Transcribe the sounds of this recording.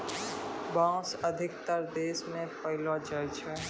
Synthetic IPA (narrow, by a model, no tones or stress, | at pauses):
bãːsəd̪ʱɪk̚t̪əɾd̪eːsmẽpəɦɪlod͡ʒəɾd͡ʒẽ